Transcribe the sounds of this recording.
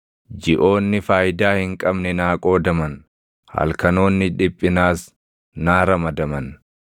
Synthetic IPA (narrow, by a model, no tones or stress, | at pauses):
d͡ʒɪʔo̞ːnːɪfaːjd̪aːhɪŋkʼɐbnɛnaːkʼo̞ːd̪ɐmɐn | hɐ̰lkɐno̞ːnːɪᶑɪpʼːɪnaːs | naːɾɐmɐd̪ɐmɐn